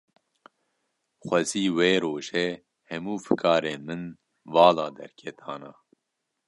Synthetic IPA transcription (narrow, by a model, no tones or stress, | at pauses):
xʷɛziːweːɾoːʒɛ | hɛmuːfɨkʰɑːɾeːnmɨn | vɑːlɑːd̪ɛ̰ɾkʰɛt̪ʰɑːnɑː